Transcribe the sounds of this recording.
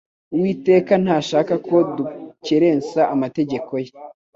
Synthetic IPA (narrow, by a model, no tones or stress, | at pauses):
uwiːte̞ːkan̥haːʃaːkako̞duceɾe̞ːnsaːmate̞ɟe̞ko̞je